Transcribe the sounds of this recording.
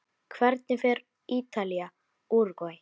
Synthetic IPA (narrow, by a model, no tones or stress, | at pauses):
kʰvɛɾt̪̚nɪfɛɾ | iːt̪alia | uɾkɔ